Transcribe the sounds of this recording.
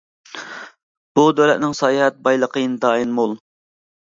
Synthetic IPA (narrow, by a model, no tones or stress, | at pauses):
b̥ud̪ølɛt̪nɪŋsɑːjhɛt̪̚bɑjlˠəqʰəjnɨd̪ɑːinmulˠ